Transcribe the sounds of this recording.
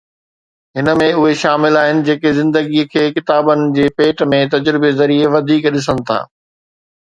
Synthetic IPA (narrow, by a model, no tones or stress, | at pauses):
ɦɪnə̆mẽʊɦeʃaːmɪlaːɦɪnɪ̆d͡ʑeːkezɪ̃nd̪əɡiəkʰeːkɪt̪aːbənɪ̆d͡ʑeːpeːʈmẽt̪ɐd͡ʑɾɪbezɐɾieʋɐd̪ʱiːkɗɪs̬ənɪ̆t̪ʰa̰ː